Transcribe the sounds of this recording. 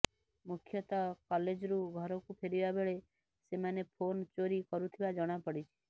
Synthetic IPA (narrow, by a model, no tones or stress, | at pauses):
mukʰjət̪akɔled͡ʒɾuɡʱɔɾɔkupʰeɾibabeɭe | semanepʰont͡ʃoɾikɔɾut̪ʰiʋad͡ʒɔɽ̃apəɽit͡ʃʰe̥